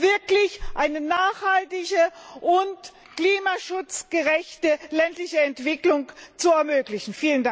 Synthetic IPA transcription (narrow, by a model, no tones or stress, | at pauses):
vɪɐklɪçʔaɪnənaːχhaltɪçəʔʊnt | kliːmaʃʊt͡sɡ̥əʁɛçtəlɛntlɪçəɛntv̥ɪklʊŋt͡suɛɐmøːklɪçn̩fiːlənda